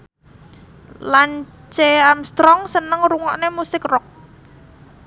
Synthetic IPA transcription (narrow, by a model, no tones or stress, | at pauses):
lan | t͡ʃeamst̪ɾɔŋsənəŋɾuŋɔ̰ʔnemusɪkrɔk̚